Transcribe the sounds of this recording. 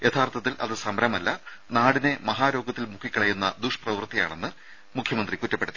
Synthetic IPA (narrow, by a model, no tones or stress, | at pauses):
jʔe̞t̪ʰaːrt̪ʰɐt̪̬ːilʔɐ̰ðɨsɐmɐɾɐmɐlːɐnaːɽine̞mɐɦaːɾo̞ːɡɐt̪ːilmukʰikʲːɐɭɐjunːɐd̪uʂprɐʋɨrt̪ija̰ːɳe̞nːɨ | mukʰjɐmɐnd̪rikutːɐpːe̞ɽut̪ːi